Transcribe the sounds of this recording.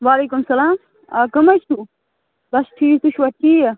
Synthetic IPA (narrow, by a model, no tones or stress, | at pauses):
ʋaːleːkumsɐlaːm | aːkɐmɐt͡ʃʰu | bɐsʈʰiːt̪uɕʰʋɐʈʰːiːje